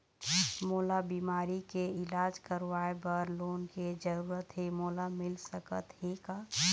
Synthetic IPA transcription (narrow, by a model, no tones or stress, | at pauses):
moːlabiːmaːɾikeɪlaːd͡ʒkəɾʋaːebəɾloːnked͡ʒəɾuːɾət̪ɦemoːlamɪlsəkət̪heka